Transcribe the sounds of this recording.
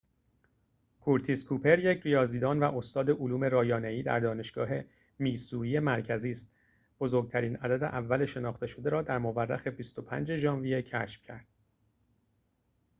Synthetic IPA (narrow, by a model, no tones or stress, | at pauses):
kʰuɾt̪ʰiskʰuːpʰe̞ɾje̞cʰɾijɒːziːd̪ɒːnvæʔo̞st̪ɒːd̪e̞ʔoluːme̞ɾɒːjɒːneiːd̪æ̰ɾd̪ɒːne̞ʃɡ̥ɒːɦe̞ | miːsuːɾije̞mæɾcʰæziːst̪ | b̥o̞zoːɾɡ̚t̪ʰæɾiːnæd̪æd̪e̞̰ʔævːæle̞ʃe̞nɒːχt̪e̞ʃod̪e̞ɾɒːd̪æɾmoværːæ̰xe̞bist̪o̞pʰæ̰nd͡ʒe̞ʒɒːnvijecʰæ̰ʃfcʰæ̰ɾd̪̥̚